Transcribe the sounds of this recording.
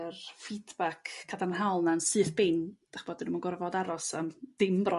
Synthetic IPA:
rfidbakʰːadanɦalˠnansɨːθb̥ɪnd̥aχb̥ɔːdɪnmunɡɔrvɔdaɾɔsəmd̥ɪmbrɔ

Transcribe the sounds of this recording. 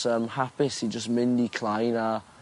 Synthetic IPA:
əmhapɪsid͡ʒəstmɪ̃ndikʰl̥ˠajna

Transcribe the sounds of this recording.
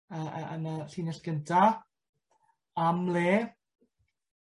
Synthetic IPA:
ə̰ə̰naɬiːnəɬɡəntʰa | amleː

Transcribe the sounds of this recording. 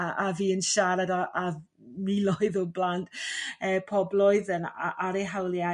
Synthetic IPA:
aʔaviːənʃaɾadaʔa | milɔɨðɔblantʰəːpʰɔblɔɨðənaʔaɾeɦawlˠja

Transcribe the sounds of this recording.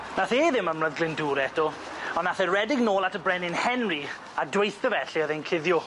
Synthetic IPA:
naθeːðɪməmrəðɡlɪnduːɾɛtʰɔ | ɔnːaθɛrɛdɪɡnoːlˠatʰəbrɛnɪnhɛnri | adwejθəvɛɬiəðejnkʰɪðjɔ

